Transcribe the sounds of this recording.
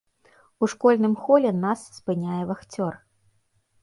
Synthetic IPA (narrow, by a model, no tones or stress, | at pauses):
uʂkɔlʲnɨmxɔlʲɛnasːpɨnʲajɛvaxt͡sʲɔr